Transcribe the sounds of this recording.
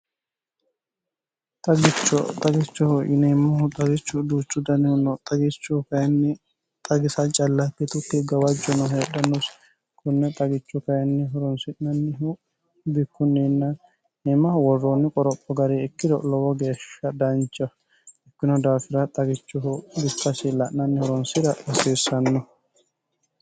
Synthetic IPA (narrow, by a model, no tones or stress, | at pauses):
t̪ɐɡɪt͡ʃːɔt̪ʼɐɡɪt͡ʃːɔhɔʔɪnemːɐhʊt̪ʼɐɡɪt͡ʃːʊd̪uːt͡ʃːʊd̪ɐnɛnɔt̪ʼɐɡɪt͡ʃːɔkɐjɐnːɪ | t̪ʼɐɡɪsɐt͡ʃʼɐlːɐpːɛt̪ʊkːɛɡɐwɐd͡ʒːɔnɔɦeːɗɐnːɔs | kʰʊnːɛt̪ʼɐɡɪt͡ʃːɔkɐjɐnːɪɦɔɾɔnsɪʔnɐnːɪɦu | bɪkːʊnːiːnːɐ | ɛmɐwɔrːoːnːɪkʼɔɾɔpʼːɔɡɐɾeɪkːɪd̪ɔlɔwɔɡe̞ːʃːɐd̪ɐnt͡ʃʼːɐ | ɪkːɪnɔd̪aːfɪɾɐt̪ʼɐɡɪt͡ʃːʊbɪkːɐsɪlːɐʔnɐnːɪhɔɾɔnsɪɾɐʔɐseːsːɐnːɔ